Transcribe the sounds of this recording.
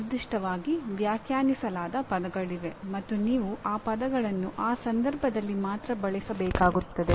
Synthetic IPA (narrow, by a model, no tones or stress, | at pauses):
d̪uʂʈɐʋaːɡiʋjaːkʰjaːnisɐlaːd̪ɐpɐd̪ɐɡɐɭiʋe̞mɐt̪ːuniːʋuʔaːpɐd̪ɐɡɐɭɐnːuʔaːsɐnd̪ɐɾbʱɐd̪ɐlːimaːt̪ɾɐbɐɭisɐbɛːkaːɡut̪ːɐd̪e